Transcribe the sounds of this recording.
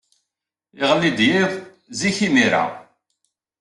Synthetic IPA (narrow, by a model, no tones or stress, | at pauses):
ɪʁəlːid̪jiðˤ | ziçimiɾa̰